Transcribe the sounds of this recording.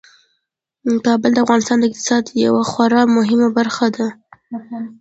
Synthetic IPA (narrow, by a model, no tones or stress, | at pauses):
kɑbəld̪əavɣɑnɪst̪ɑnd̪əɪk̚t̪ɪ̥sɑd̪ja̰waxwaɾɑmʊɦɪmabaɾxad̪a